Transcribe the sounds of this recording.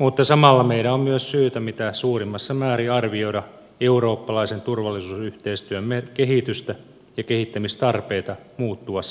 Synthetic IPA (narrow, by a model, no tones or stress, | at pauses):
mut̪ːɑsɑmɑlːɑmeiɾæommyøssyːt̪æmit̪æsuːrimːɑsːɑmæːɾiɑrʋio̞iɾɑ | euɾo̞ːpːɑlɑisent̪urʋɑlːisuːsyht̪eist̪yømmekeɦit̪yst̪æ | jɑkehit̪ːæmist̪ɑrpeːt̪ɑmuːt̪ːuɑs